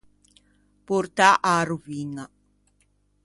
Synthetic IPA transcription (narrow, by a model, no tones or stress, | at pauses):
puɾt̪aʔaːɾuviŋa